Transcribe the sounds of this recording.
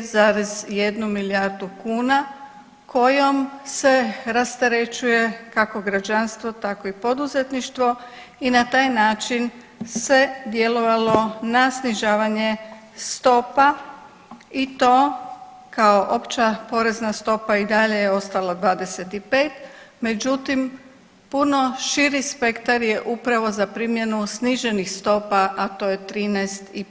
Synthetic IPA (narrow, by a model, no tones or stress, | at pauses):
zaɾezje̞d̪numilijaɾd̪ukuːna | kʰo̞jo̞mse̞ɾast̪eɾe̞t͡ʃuje̞kako̞ɡɾad͡ʒanst̪ʋo̞t̪ako̞ipo̞d̪uzet̪niʃt̪ʋo̞ | inat̪aːjnaːt͡ʃin | se̞d̪je̞lo̞ʋalonasniʒaːʋaɲe̞ | st̪o̞pa | it̪o̞ː | kao̞ʔo̞pt͡ɕapo̞ɾe̞znast̪o̞paid̪aʎe̞jeo̞st̪alad̪ʋaːd̪e̞set̪ipe̞ːt̪me̞d͡ʒut̪im | puno̞ʃiɾispe̞kt̪aɾjeʔupɾaʋo̞zapɾiːmje̞nusniʒe̞nixst̪o̞paʔat̪o̞ːje̞t̪ɾiːnajst̪i